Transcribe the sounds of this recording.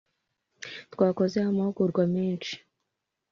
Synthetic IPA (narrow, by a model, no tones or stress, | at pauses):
t̪waːkozehamahuɡuɾɡwamiːnt͡ʃi̥